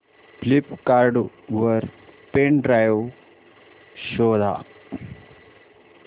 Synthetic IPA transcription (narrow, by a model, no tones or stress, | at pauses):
flipkaɾɖu | ɐɾpeɳɖɾajo | ʃoːd̪ʱa̰ː